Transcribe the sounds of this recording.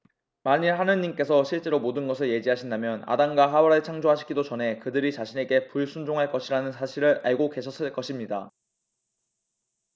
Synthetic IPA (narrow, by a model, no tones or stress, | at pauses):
maɲiɦanɯɲimk͈e̞sʰʌɕʰiɭt͡ɕ͈e̞ɾomodɯnɡʌsʰɯɭje̞d͡ʑiɦaɕʰindamjʌna̰daŋɡwaɦawʌɾɯɭt͡ɕʰaŋd͡ʑoɦaɕʰi̥k͈idot͡ɕʌnɦe̞kɯdɯɾit͡ɕaɕʰine̞ɡe̞puɭsʰund͡ʑoŋɦaɭk͈ʌɕʰiɾanɯnsʰaɕʰiɾɯɭa̰ɭɡoke̞ɕʰʌs͈ɯɭk͈ʌɕʰimɲida̰